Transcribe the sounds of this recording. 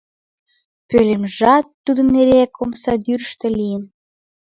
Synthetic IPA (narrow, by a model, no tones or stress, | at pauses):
pølemʒɑt̪ːud̪ə̆nːeɾekʰomsɑd̪yɾʃt̪ĕlijən